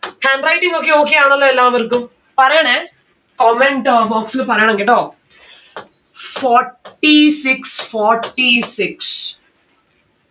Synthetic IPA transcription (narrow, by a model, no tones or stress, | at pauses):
haːɳɖrɐjʈːiŋɡokːeoːkːejaːɳɐlːoelːaːʋɐrkːum | pɐrɐjaːɳe | koːmeɳʈboːksɨlpɐrɐjaːɳeŋɡeʈːoː | foːʈːisiksfoːrʈːisiks